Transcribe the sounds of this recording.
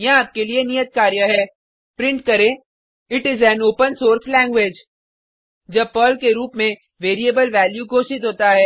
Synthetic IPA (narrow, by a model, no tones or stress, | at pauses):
jɐ̃aːp̚kelienijət̪̚kaːɾjaɦɛ | pɾɪ̃ɳʈkɐɾẽ | ɪʈɪzɛnoːpə̃nsoːɾslɛ̃ːŋɡʋeːd͡ʒ | d͡ʒɐb̚pəːlkeɾuːpmẽ | ʋeːɾiebəlʋɛːljuɡʱoːʃɪt̪ɦoːt̪aɦɛː